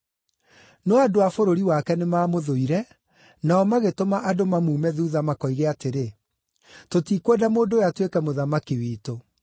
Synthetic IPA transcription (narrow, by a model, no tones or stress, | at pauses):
nɔadoafoɾoɾiwakɛnemaːmoðoiɾɛ | naɔmaɣetomaʔadomamuːmɛðuðamakɔiɣeateɾe | totikwɛdamoːndojatwekɛmoðamakiwiːto